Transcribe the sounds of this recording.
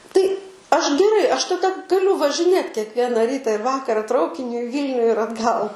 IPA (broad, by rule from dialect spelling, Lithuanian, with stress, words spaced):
tɐɪ ˈɐʃ ɡʲɛˈrɐɪ ˈɐʃ tɐˈdɐ ɡɐˈlʲʊ ʋɐʒʲɪˈnʲeːt kʲɛkˈʋʲiɛnɐ ˈrʲiːtɐ ɪr ˈʋɑːkɐrɐ ˈtrɐʊkʲɪnʲʊ ɪ ˈʋʲiːlʲnʲʊ ɪr ɐdˈɡɐlˠ